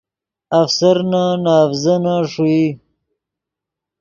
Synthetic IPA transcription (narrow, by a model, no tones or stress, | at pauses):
afsaɾnanaːfzanaʂui